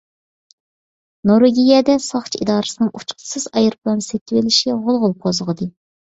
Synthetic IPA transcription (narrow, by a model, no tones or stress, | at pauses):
noɾeɡʲijɛd̪ɛsɑχt͡ʃʰḭd̪ɑːɾɨsɨnɨŋut͡ʃqʰə̥sɨzɑjɨɾplˠɑnset̪ʰːɪwɪlɪʃʁʊlˠʁʊlˠp̚qʰozʁəd̪ɨ